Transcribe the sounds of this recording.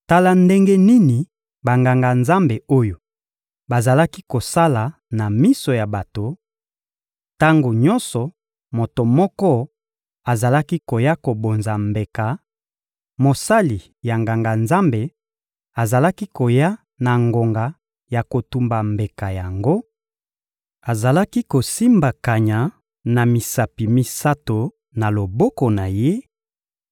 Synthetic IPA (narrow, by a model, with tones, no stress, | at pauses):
ta˦la˦nde˦ŋɡe˦ni˦ni˨ | ba˨ŋɡa˨ŋɡa˨nza˦mbe˨o˦jo˨ | ba˨za˨la˦ki˦ko˨sa˦la˨ | na˨mi˦so˨ja˨ba˨to˨ | ta˦ŋɡo˨ɲɔ˦nsɔ˨ | mo˨to˨mɔ˦kɔ˦ | a˨za˨la˦ki˦ko˨ja˦ko˨bo˨nza˨mbe˨ka˨ | mo˨sa˦li˨ | ja˨ŋɡa˨ŋɡa˨nza˦mbe˨ | a˨za˨la˦ki˦ko˨ja˦ | na˨ŋɡo˨ŋɡa˨ | ja˨ko˨tu˨mba˨mbe˨ka˨ja˨ŋɡo˦ | a˨za˨la˦ki˦ko˨si˦mba˨ka˨ɲa˨ | na˨mi˨sa˨pi˨mi˦sa˦to˨ | na˨lo˨bɔ˦kɔ˨na˨je˦